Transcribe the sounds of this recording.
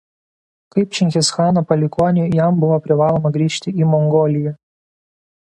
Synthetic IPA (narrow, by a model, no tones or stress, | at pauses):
kɐɪp̚t͡ʃʲɪŋʲxʲɪsxɑːnoːpɐlʲɪkuɔnʲɪjæmbʊʋoːpʲɾʲɪʋɑːlˠoːmɐɡɾʲiːʃʲt̪ʲɪiːmɔŋɡoːlʲɪjɛ